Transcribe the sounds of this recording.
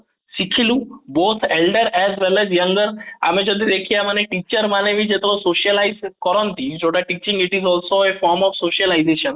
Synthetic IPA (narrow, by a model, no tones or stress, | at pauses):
ʃikʰilũbot̪ʰelɖəɾɛzʋelɛzjɐŋɡəɾa̰med͡ʒod̪id̪ekʰijamaneʈit͡ʃəɾmaneʋĩd͡ʒet̪ɾosoʃəlaɪzkɔɾɔ̃nt̪id͡ʒʰoʈaʈiːt͡ʃĩŋɡɪʈizɔːlsoefɔɾmɔfsoʃəlaizeʃən